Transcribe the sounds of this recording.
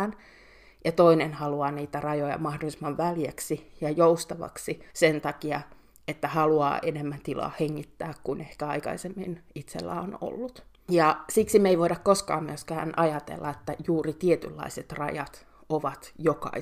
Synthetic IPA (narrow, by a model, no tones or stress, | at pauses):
n | jɑt̪oinenhɑluɑːniːt̪ærɑjojɑ̰mɑhdolismɑʋʋæliæksijɑjoust̪ɑʋɑ̰ksisent̪ɑkiɑ | et̪ːæhɑluɑ̰ːʔenemːænt̪ilɑ̰ːheŋːit̪ːæːkkunehkæɑikɑ̰isemːinit̪sḛlːæ̰ːono̰lːut̪ | jɑsiksimeiʋoidɑkkoskɑ̰ːmmyøskæ̰ːnʔɑjɑt̪ḛlːɑet̪ːæjuːrit̪iet̪ylːɑ̰iset̪rɑ̰jɑt̪ | oʋɑt̪jokɑ̰i